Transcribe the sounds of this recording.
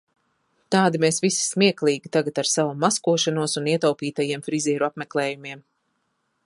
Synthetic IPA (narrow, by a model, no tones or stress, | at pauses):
t̪aːd̪imesvisi̥smiɛklˠiːɡʲit̪aɡat̪aɾsavumaskuɔʃanuɔsuniɛt̪awpiːt̪ajiɛmfɾiziːɾuapmɛklˠɛːjumiɛm